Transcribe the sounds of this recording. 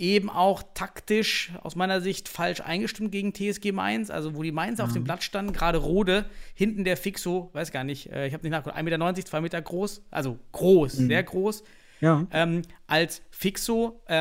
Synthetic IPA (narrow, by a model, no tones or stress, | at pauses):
ʔeːbm̩ʔa̰ʊxtʰaktɪʃʔa̰ʊsmaɪnɐzɪçtfalʃʔa̰ɪnɡəʃtɪmt̚ɡ̥eːɡŋ̩tʰeːɛsɡ̥eːma̰ɪnsʔa̰lzovoːdiːmaɪnsaʊfd̥eːmblatʃtandn̩ɡʁaːɾəʁoːdəhɪntn̩deːɐfɪksov̥aɪsɡ̥aːɐnɪçʔɛ̰ːɪçhaːbnɪçnaːkɡlʔaɪmeːtɐnɔʏnt͡sɪçt͡sv̥aɪmeːtɐɡʁoːsʔa̰lzoɡ̥ʁoːsz̥eːɐɡʁoːs | jaʔɛːmʔalsfɪksoʔɛ